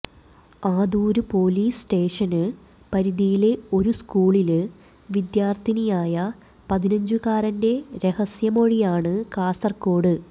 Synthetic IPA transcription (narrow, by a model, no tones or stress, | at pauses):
aːd̪uːɾupo̞ːliːsʈe̞ːʂɐnɨ | pɐɾiðijile̞o̞ɾuskuːɭil | ʋid̪jaːrt̪ʰinijaːjɐ | pɐðinɐɲd͡ʑukaːɾɐnde̞ɾe̞hɐsjɐmo̞ɻijaːɳɨkaːsɐrko̞ːɽɨ